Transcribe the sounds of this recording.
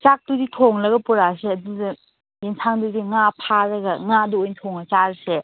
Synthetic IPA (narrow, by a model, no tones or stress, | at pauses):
t͡ʃak̚duditʰoŋlɐɡɐpuɾaseɐdudɐ | jinsʰaŋdudiŋapʰaɾɐɡɐŋaduojntʰoŋɐt͡ʃaɾse